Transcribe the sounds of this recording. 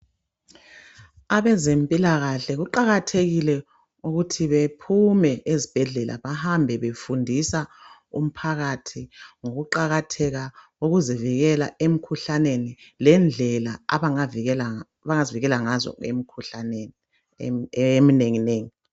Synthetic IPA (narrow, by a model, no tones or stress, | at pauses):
aβɛzempʼilaɣaɬɛɣuǃaɣatʰeɣilɛ | uɣutʰiβepʰumɛezib̥ʱɛɮɛlʔa̰βahambʱɛβefundʱisaṵm̩pʰaɣatʰiŋoɣuǃaɣatʰɛɣa | uɣuziviɣɛla̰em̩kʰuɬanenilɛnd͡ɮʱɛlaa̰βala | βaŋaziviɣɛlaŋazɔ̰ɣḛm̩kʰuɬanen | emineŋineːŋi